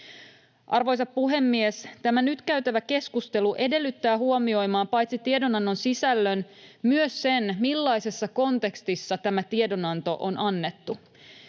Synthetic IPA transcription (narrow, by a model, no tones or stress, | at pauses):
ʔɑrʋo̞jsɑppuɦe̞mːiest̪æmænyt̪kæɥt̪æʋæke̞skust̪e̞luʔe̞de̞lːyt̪ːæːhuomio̞jmɑːmpɑjt̪sit̪ie̞do̞nɑnːo̞nsisælːønmyøsːe̞nmilːɑjse̞sːɑko̞nt̪e̞kst̪isːɑt̪æmæt̪iedo̞nɑnt̪o̞̰ʔonʔɑnːe̞t̪ːu